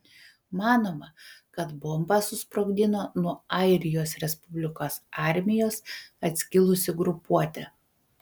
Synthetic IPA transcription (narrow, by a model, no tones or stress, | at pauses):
mɑːnoːmɐkɐt̪bɔmbɑsʊspɾɐʊɡʲd̪ʲɪnoːnuɔɐɪɾʲɪjoːsɾʲɛspʊbʲlʲɪkoːsɑˑɾʲmʲɪjoːsɐt̪ʲsʲkʲɪlˠʊsʲɪɡɾʊpuɔt̪ʲɛ